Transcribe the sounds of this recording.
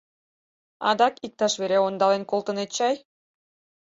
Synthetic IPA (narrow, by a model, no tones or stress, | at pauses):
ɑ̰d̪ɑkik̚t̪ɑʃβeɾeond̪ɑlenkolˠt̪ə̆net̪̚t͡ɕɑj